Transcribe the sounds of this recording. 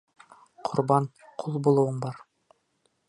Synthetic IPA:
qʰʊɾbɑn | qʰulˠbulˠuwɤɴbɑɾ

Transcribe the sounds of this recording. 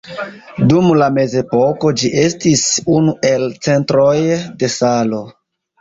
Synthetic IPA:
dumlame̞ze̞po̞ko̞d͡ʒiʔe̞stisunue̞lt͡se̞ntɾo̞jde̞salo̞

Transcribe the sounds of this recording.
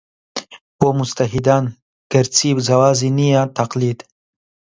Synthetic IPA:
pomʊst̪aɦid̪aːn | ɡ̥ɐɾt͡siːbzɐwaːzinijat̪aqlid̪

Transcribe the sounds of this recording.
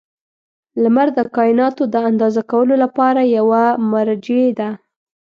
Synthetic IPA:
lamaɾd̪əkɑjɪnɑt̪od̪əand̪ɑzakawəlolapɑɾajawamaɾd͡ʒed̪a

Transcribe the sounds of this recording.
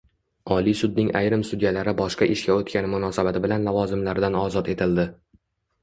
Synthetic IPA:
ɒlisʊd̪̚nɪŋʔajɾɪmst̪ʊd̪jalaɾɪbɒʃqɑʔɪʃkʲaot̪kʲanɪmʊnɒsabat̪ɪbɪlanlavɒzɪmlaɾd̪anɒzɒt̪e̞t̪ʰɪld̪ɪ

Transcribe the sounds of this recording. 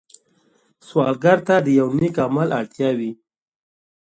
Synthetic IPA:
swɑlɡaɾt̪ad̪əjawnikamalʔaɽt̪jɑwi

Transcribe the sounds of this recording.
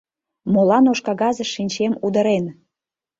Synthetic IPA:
molɑnoʃkɑɣɑzəʃinʲt͡ɕemud̪ə̆ɾen

